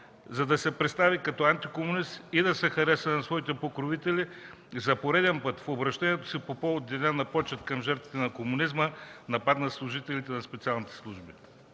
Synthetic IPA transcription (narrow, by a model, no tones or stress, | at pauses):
zɐd̪ɐsɛpɾɛt̪st̪avikɐt̪ɔant̪ikomʊnist̪id̪ɐsɛxɐɾɛsənɐsvɔit̪ɛpokɾovit̪ɛli | zɐpoɾɛd̪ɛnpɤt̪fobɾɐʃt̪ɛniɛt̪o̥sipopood̪ɛnanɐpɔt͡ʃɐt̪kɐmʒɛɾt̪vit̪ɛnɐkomunizmənɐpat̪nɐslˠuʒit̪ɛlit̪ɛnɐspɛt̪sialˠnit̪ɛ̥slˠuʒbi